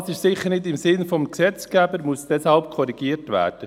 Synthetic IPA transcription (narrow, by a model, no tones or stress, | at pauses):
sɪʃsɪχːəɾnɪdɪmsɪnfɔmksɛt͡skæbəɾmuəsd̥ɛshɑlp̚kʰɔɾiɡ̥iːərtʋæ̰ːɾd̥ə